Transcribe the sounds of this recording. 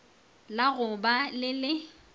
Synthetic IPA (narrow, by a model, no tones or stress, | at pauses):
laɣʊbalɪlɪ